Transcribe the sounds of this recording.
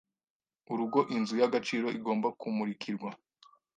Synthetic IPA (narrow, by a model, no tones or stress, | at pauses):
uɾuɡo̞ʔinzujaɡat͡ʃiːɾo̞ʔiɡo̞ːmbakumuɾikʰiɾɡwa